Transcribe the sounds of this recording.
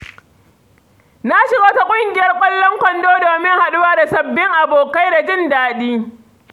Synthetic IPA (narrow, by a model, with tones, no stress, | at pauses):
na˦ʃɪ˨ɡaː˦ta˦kʷʼʊ˦ŋɡʲɪ˨jɐ˦rkʷʼɐ˦lːɔ˦ŋkʷɐ˨ndoː˦doː˨mɪ˦ŋha˨ɗʊ˦waː˦da˨sɐ˨bːɪ˦ŋʔa˨boː˨ka˦jda˨d͡ʒɪ˦ndaː˨ɗiː˦